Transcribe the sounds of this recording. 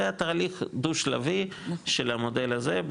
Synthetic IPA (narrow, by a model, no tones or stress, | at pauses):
eat̪aːliχd̪uʃla̰vi | ʃelamod̪e̞lazeb